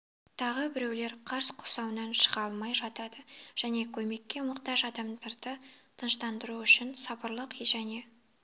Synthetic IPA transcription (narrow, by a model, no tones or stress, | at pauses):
t̪ʰɑʁəbɪɾe̞wle̞ɾqʰɑɾsqʰʊ̥sɑwənɑnʃə̥ʁɑlˠmɑjʒɑt̪ɑd̪əʒ̥æne̞kʲʰɵme̞kʲːe̞mʊqt̪ɑʒɑd̪ɑmd̪ɑɾd̪ə | t̪ʰənʃt̪ɑnd̪əɾuʏʃɪnsɑpəɾlˠəqʒæne̞